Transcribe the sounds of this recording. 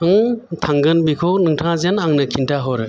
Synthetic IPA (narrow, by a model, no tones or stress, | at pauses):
ɯŋtʰaŋɡɯnbikʰɔk̚nɯŋtʰãzenaŋnɯkʰintʰaɦɔɾɯ